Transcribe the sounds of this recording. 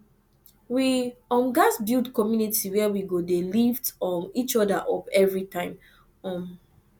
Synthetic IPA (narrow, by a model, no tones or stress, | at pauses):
wiɔ̃mɡasbildkɔmjunitiwɛɛwiɡodelivtɔ̃nit͡ʃɔdaʔɔpɛvɹitãɪ̃m | ɔ̃m